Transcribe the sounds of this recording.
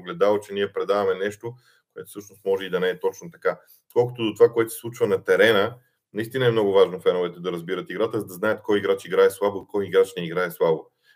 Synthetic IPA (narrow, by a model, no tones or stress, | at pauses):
ɡlɛd̪alˠot͡ʃɛniɛpɾɛd̪avɐmɛnɛʃt̪o | koɛt̪ʊ̥sɤʃnʊst̪mɔʒɛid̪ɐnɛɛt̪ɔt͡ʃnot̪ɐka | kɔlˠkət̪ʊd̪ot̪ovakoɛt̪o̥sʲslˠut͡ʃvənɐt̪ɛɾɛnə | nɐist̪inɐɛmnɔɡʊvaʒnofɛnʊvɛt̪ɛd̪ɐɾɐzbiɾət̪iɡɾat̪əzɐd̪ɐznajət̪kɔjiɡɾat͡ʃiɡɾaɛslˠaboikɔjiɡɾat͡ʃnɛiɡɾaɛslˠabo